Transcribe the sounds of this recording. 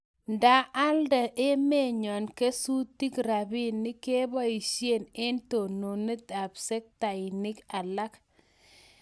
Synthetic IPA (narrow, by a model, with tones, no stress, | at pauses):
nda˨ʔa˦lda˨ʔe˦me˦˨ɲɔ˨nke˦su˦ti˦kɾa˨bi˦nːɪ˦ke˦ba˦i˨ʃje˦˨ne˦nto˨no˨ne˦ta˨bse˦k̚ta˨i˨ni˦ka˨la˦k